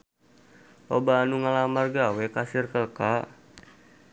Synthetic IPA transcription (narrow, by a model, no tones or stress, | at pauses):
ʔobaːnuŋalamarɡawɛkasirkəlka